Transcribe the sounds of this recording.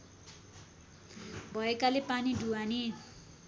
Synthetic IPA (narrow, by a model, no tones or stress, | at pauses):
bʱʌekalepaniɖʱuwani